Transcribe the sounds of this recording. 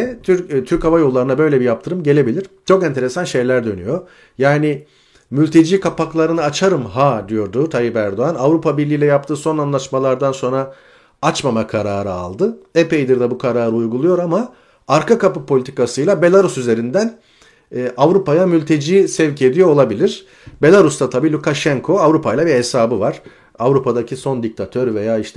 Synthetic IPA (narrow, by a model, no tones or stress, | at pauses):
ɛt̪ʰyɾt̪ʰyɾkhavajolˠːaɾɯnabø̞jlʲɛbijap̚t̪ʰɯɾɯmɟe̞lʲe̞bilʲiɾ̥t͡ʃʰo̞kɛnt̪ʰe̞ɾesanʃe̞jlʲæɾd̪ø̞ny̰jo̞ | jaːnɪ | mylʲt̪ʰe̞d͡ʒiːkʰapaklˠaɾɯnɯat͡ʃʰaɾɯmɦad̪ijo̞ɾd̪ut̪ʰaɦipæɾd̪o̞anavɾupʰabiɾlʲiːlʲɛjapt̪ʰɯːso̞nanlˠaʃmalˠaɾd̪anso̞nɾa | at͡ʃmamakʰaɾaːɾɯa̰lˠd̪ɯepejd̪iɾd̪ɛbukʰaɾaːɾɯujɡulˠujo̞ɾama | aɾkakapɯpʰo̞lʲit̪ʰi̥kasɯjlˠabe̞lʲˠaɾusyze̞ɾind̪ænː | ʔavɾupajamylʲt̪ʰe̞d͡ʒiːsɛvcʰed̪ijoolˠabilʲiɾ̥ | be̞lˠaɾust̪at̪ʰabiːlʲukaʃɛŋkʰo̞avɾupʰajlˠabiɾhesaːbɯvaɾ̥ | avɾupad̪acʰiso̞nd̪ic̚t̪ʰat̪ʰøɾve̞jaːiʃt̪ʰɛ